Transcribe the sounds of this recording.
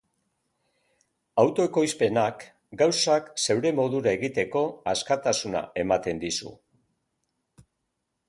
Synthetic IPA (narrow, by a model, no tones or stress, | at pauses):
awt̪o̞eko̞jspe̞nak | ɡawsakse̞wɾe̞mo̞ðuɾae̞ɣit̪e̞ko̞askat̪asuna̰e̞mat̪e̞nd̪isṵ